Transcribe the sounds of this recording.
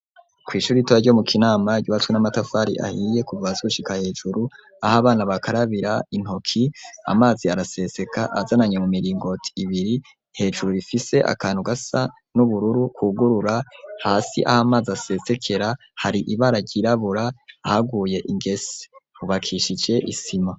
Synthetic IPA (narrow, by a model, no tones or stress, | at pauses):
kwiːʃuːɾitoaɾɟo̞mukinaːmaɟuβatwenamatafaːɾḭʔa̰hije̞kuvaazouʃikahe̞ːʒuɾu | ahaβaːnaβakʰaɾaβiɾain̥ho̞kʰia̰maːziaɾase̞se̞kaʔazanaɲemumiɾiːŋɡo̞tʰi̥ːβiɾi | he̞ːd͡ʒuɾuɾifise̞ʔa̰kaːnhuɡasa | nuβuɾuɾukuɡuɾuɾahaːsḭʔa̰hamaːzase̞se̞kʰe̞ɾa | haɾiʔiβaɾaɟiɾaβuɾaːhaɡuːje̞ʔiŋɡe̞se̥huβakʰiʃid͡ʒe̞ʔisima